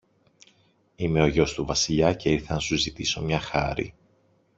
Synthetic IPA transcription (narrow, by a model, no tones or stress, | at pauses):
ime̞o̞ʝo̞st̪uvɐsiʎɐce̞iɾθɐnɐsuzit̪iso̞mɲɐxɐ̰ɾḭ